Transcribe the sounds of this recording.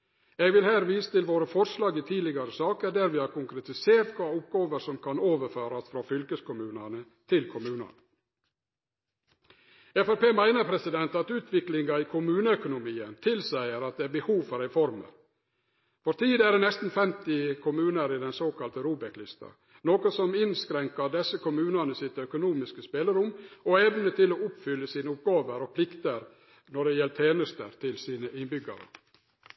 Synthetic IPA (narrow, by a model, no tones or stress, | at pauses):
eɡʋɪlhæːɾʋiːsə̥t̪ɪlʋoːɾəfɔɾʂlɑːɡɪt̪ʰiːlɪɡɑɾəsɑːkəɖæɾʋɪhɑɾkʊŋkɾɛt̪ɪseːɾt̪kʰʋɑːʊp̚ɡɑːʋəɾsɔmkʰɑnoːʋəɾføːɾɑsfɾofʏlkəskʊmʉːnɑnə | t̪ʰɪlkʰʊmʉːnɑ̰nə | ɛfɛpeːmæɪnəɾpʰɾɛsɪd̪ɛnt̪ɑt̪ʉːt̪ʰʋɪklɪŋɡɑɪkʰʊmʉːnəœkʊnʊmiːənt̪ʰɪlsæɪəɾɑt̪̚d̪ɛæbəhuːʋfɔɾɛfɔɾmə̰ɾ | fɔɾt̪ʰiːd̪æɖɛnɛst̪n̩fɛmt̪ɪkʰʊmʉːnəɾɪd̪ɛnsoːkɑlt̪əɾuːbəklɪst̪ɑ̰ | noːkɔsɔmɪnskɾɛŋkɑɾd̪ɛsːəkʊmʉːnɑnəsɪt̪œkʊnuːmɪskəspeːləɾʊmɔɛʋnət̪ɪlɔːʊpfʏlːəsiːnəʊp̚ɡɑːʋəɾɔpʰlɪkt̪əɾ | nɔɖɛjɛlət̪ʰeːnəst̪ə̰ɾt̪ʰɪlsiːnəʔɪnbʏɡə̰ɾə̰